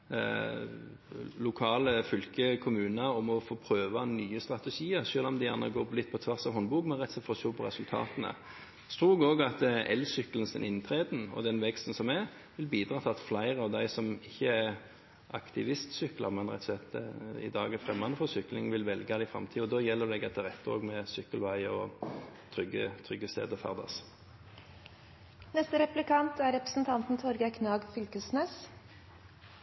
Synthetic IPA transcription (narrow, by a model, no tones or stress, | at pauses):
lʊkʰɑːləfʏlkəkʰʊmʉːnəɔmɔfoːpʰɾøːʋɑnyːəst̪ɾɑt̪ɛʂiːəɾʂøːlɔmd̪æɪjæʁnə̰ɡoːlɪt̪̚ːpʰɔt̪ʰʋæʁsɑhɔnːbuːɡmɛnɾɛt̪sɛt̪fɔst̪oːpʰɔɾɛsʉlt̪ʰɑ̰ːt̪ənə̰ | st̪ɾuːɡoːɡɑt̪ɛ̰lsʏkələnsd̪ɛ̰nɪnt̪ʰɾeːd̪n̩ɔ̰d̪ɛnʋɛkst̪n̩sɔmɛ | ʋɪlbiːd̪ɾɑːt̪ʰɪɑt̪flæɪɾəɔd̪æɪsɔmɪçːəæ | ʔɑ̰kt̪ʰɪʋɪst̪sʏklɑmɛnʁɛ̰t̪ːɔsɛt̪ɪ̰d̪ɑːɡɛfɾɛmːɑnəfɔsʏklɪŋʋɪlʋɛlɡɑd̪ɪfʁɑ̰mt̪ʰiːɔd̪oːjɛlːəd̪ɛɡɑt̪ʰɪʁɛt̪ːəo̰ːɡmɛsʏkːəlʋæɪɔt̪ʰɾʏɡət̪ʰʁʏɡːəst̪ḛːd̪əfæ̰ʁd̪ɑ̰s | nɛst̪əɾɛplɪkʰɑnt̪æɾɛpɾəsn̩t̪ʰɑnt̪n̩t̪ʰɔɾɡəkʰnɑːɡfʏlkəsneːs